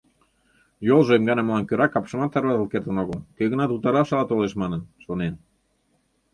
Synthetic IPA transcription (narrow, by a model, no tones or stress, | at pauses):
jolˠʒɤemɡɑnɑmlɑnkøɾɑkɑpʃə̆mɑt̪ːɑɾβɑzəlˠkert̪ə̆noɣəlˠkøɣə̆nɑt̪ut̪ɑɾɑʃɑlɑt̪oleʃmɑnənʃonen